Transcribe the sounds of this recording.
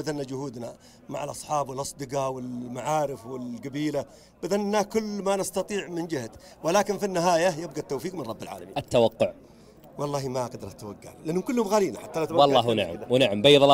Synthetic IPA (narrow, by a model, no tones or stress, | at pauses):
bɪðanːad͡ʒʊhuːd̪na | ma̰ʕalʔɑ̰sˤħɑːbwɪlʔɑsˤd̪ɨqɑwɪlmaʕaːɾɪfwɪlɡabiːla | b̥ɪðanːakʊlːmanɪst̪ɑt̪ˤiːʕmɪnd͡ʒɪhat̪ | wɪlaːkɪnfinːɪɦaːjajɪb̚ɡat̪ːowfiːqmɪnrˤɑbːɪlʕa̰ːla̰miːat̪ːawaqːʊʕ | wɑlˤːɑːhimaɡd̪ɾˤɑt̪ːawaɡːa̰llːʔanːhʊmkʊlːhʊmɣaːliːnaħat̪ːalat̪awwɑlˤːɑːɦnaʕ̰mwnaʕambajðˤɑl